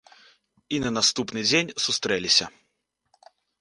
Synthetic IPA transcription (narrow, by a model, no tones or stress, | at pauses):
inɐnast̪upnɨd͡zʲenʲsust̪ɾɛlʲisʲɐ̰